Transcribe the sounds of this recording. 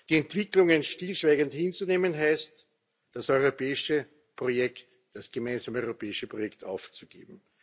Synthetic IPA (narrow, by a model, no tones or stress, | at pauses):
d̥iɛntv̥ɪklʊŋənʃtilʃv̥æɪɡənthɪnt͡suneːmənɦæɪst | d̥asɔʏʁopɛːɪʃə | pʁ̥ojɛkt | d̥asɡ̥əmæɪnzaːməɔʏʁopʰɛːɪʃəpʁojɛkta̰ʊft͡suɡ̥ḛːb̚m̩